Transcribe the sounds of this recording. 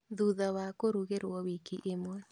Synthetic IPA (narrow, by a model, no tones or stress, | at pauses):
ðuðɔwakoɾuɣeɾwɔwikiʔemoð